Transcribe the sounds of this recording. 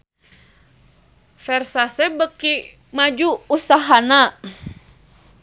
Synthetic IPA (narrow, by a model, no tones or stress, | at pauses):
fɛrsasɛbəki | mad͡ʒuːsaɦana